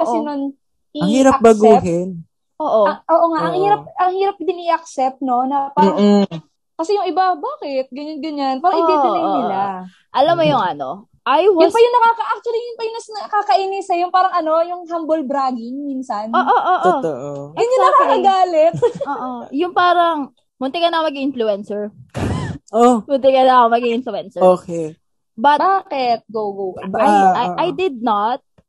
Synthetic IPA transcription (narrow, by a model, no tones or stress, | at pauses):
kɐʔsɛnon | ʔiɐhiːɾɐɐk̚bɐsɡuːɦɛn | ʔoːʔoɐŋʔoːʔoŋaʔɐŋhiːɾɐp̚ʔɐŋhiːɾɐp̚d̪ɪnɪʔɐk̚sɛp̚t̪̚no̞nɐpaːɐ | kɐsɛjʊŋɪbabaːkɪt̪̚ɡɐɲanɡɐɲanpaːɾɐŋɪbiːbɪlɐnnɪla | ʔɐlɐmːojʊŋɐno̞ | ʔajwʊnpɐjʊŋnɐkaːkɐʔak̚t͡ʃ̪ʊɐlijʊnpɐjʊnɐsnɐkaːkɐʔiːnɪsɐjʊnpaːɾɐŋʔɐno̞jʊŋhambolbɾaːɡɪŋminsɐnoːʔoːʔoʔjʊnɲʊnɐkaːkɐɡaːlɛt̪̚oːʔojʊŋpaːɾɐŋ | mʊnt̪ɛkɐnɐomɐɡiʔɪnflʊɛnsɛɹ | omʊnt̪ɛkɐnɐɐkomɐɡiŋɪnflʊɛnsɛoːkɛ | bat̪bbaːkɛt̪̚ɡoɡoɡbajʔajd̪ɪd̪̚nɐt̪̚